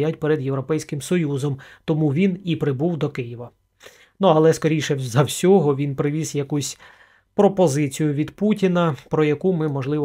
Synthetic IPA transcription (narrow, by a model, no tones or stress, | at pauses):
jatʲpɛɾed̪jeʋɾɔpɛjsʲkɪmsɔjuzɔmt̪ɔmuʋʲinipɾɪbuwd̪ɔkɪjɪʋɐ | nuɐlˠɛskɔɾʲijʃɛzɐwsʲɔɦɔʋʲinpɾɪʋʲizjɐkusʲ | pɾɔpɔzɪt͡sʲijʊʋʲid̪putʲinɐpɾɔjɐkumɪmɔʒlˠɪʋ